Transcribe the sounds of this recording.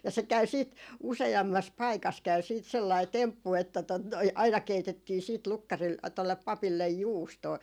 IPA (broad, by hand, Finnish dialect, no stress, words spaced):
jɑ se kæy siːt useɑmːɑs pɑikɑs kæy siːt selːɑi tempːu etːæ tot noi ɑinɑ keitetːiː siːt lukːɑril tolːep pɑpilːej juːstoː